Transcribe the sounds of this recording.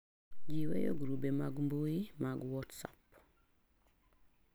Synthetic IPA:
ɟiwḛjo̰ɡuɾubemaɡumbojimaɡuwɔːtsap

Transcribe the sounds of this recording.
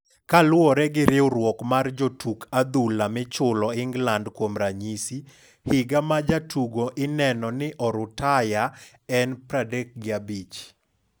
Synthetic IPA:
kalwɔɾɛɡɪɾɪoɾwɔkmard͡ʒotʰukʰad̪ulamɪt͡ʃʊlɔɪŋɡlandkwomɾaɲisi | hɪɡamad͡ʒatʰuɡoʔɪnɛnɔnɪʔɔɾʊtaja | ɛnpɾadɛk̚ɡɪabit͡ʃ

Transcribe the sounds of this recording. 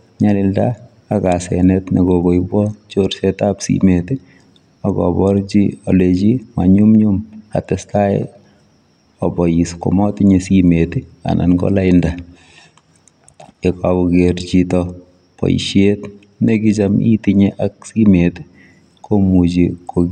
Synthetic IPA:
ɲalɪldaː | kasɛ̰nɛtneɡoɡojbɔt͡ʃoɾsɛtapsḭmeti | akɔ̰bɔɾt͡ʃiɔ̰let͡ʃima̰ɲumɲumha̰tɛstaḛ | ɔbɔjisko̰mɔtiɲesimetia̰nʔa̰nɡɔ̰laɪnda | ekakuɡeɾt͡ʃitɔ | pɔ̰jḭʃet | nekit͡ʃamʔḭtiɲeʔak̚simeti̥ | komut͡ʃiko

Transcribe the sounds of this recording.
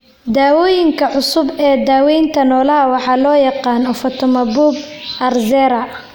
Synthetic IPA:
d̪aːwɔːjɪŋkʰɐʕʊsʊbɛːd̪aːwɛjnt̪ʰɐnɔːlɐɦɐwɑħɑːlɔːjɑqɑːnɔfɔt̪ʰɔmɐbubɐrzɛːɾɐ

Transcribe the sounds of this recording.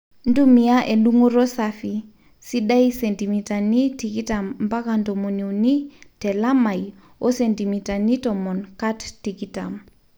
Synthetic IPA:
ndumijaʔeɗuŋuɾɔsafi | siɗajsɛntimitanitikitammbakandɔmoniwnitɛlamaj | ɔsentimitanitɔmɔnkattːikitam

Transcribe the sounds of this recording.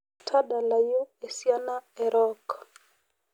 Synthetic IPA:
tʰaɗalaiɔɛsianaɛɾɔk

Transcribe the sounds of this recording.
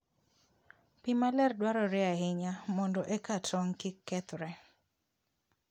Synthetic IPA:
pimalɛrdwaɾɔɾɪahɪɲamɔndɔʔɛkatʰɔŋkɪkːɛt̪ɾɛ

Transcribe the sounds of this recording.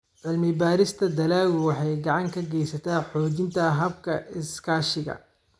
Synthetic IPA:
ʕɪlmɪbaːɾɪst̪ʰɐd̪ɐlaːɣʊwɑħɑjɡɑʕɑŋkʰɐɡɛjsɐt̪ʰaːħɔːt͡ʃɪnt̪ʰɐɦɐbkʰɐɪskʰaːʃɪɣɐ̰

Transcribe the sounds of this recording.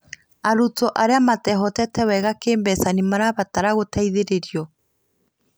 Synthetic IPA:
aɾutɔʔaɾeamatɛɦɔtɛtɛwɛɣakeːmbɛsanimaɾaβataɾaɣotaiðeɾeɾiɔ

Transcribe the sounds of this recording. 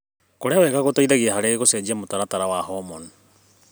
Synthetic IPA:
koɾeawɛːɣaɣotoiðaɣiaɦaɾeɣosed͡ʑiamotaɾataɾawaɦɔmɔn

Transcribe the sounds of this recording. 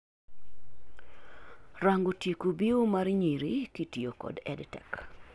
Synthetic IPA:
raŋɡotjekubiomaɾɲiɾikitiokɔ̰dɛ̰dtɛk

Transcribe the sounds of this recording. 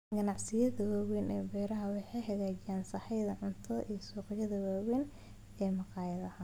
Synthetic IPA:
ɡɐnɑʕsɪjɐðɐwaːwɛnɛːbɛːɾɐɦɐwɑħɑjɦɐɣaːt͡ʃɪjaːnsɐħɛjðɐʕʊnt̪ʰɔʔiːsuːqɑjɐðɐwaːwɛn | ɛːmɑqɑːjɐðɐhɐ

